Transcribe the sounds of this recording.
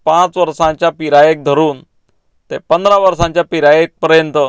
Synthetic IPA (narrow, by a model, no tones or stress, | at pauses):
pãt͡sʋəɾsãɲt͡ɕjapiɾajek̚d̪ʱəɾuːn | t̪epənd̪ʱɾaʋəɾsãɲt͡ɕjapiɾajek̚pəɾjənt̪ə